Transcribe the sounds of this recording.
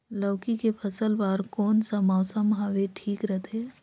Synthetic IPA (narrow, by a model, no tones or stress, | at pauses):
ləːkikepʰəsəlbaːɾkɔːnsɐmɔːsəmɦaːʋeʈʰiːkɾɐɦt̪ʰeː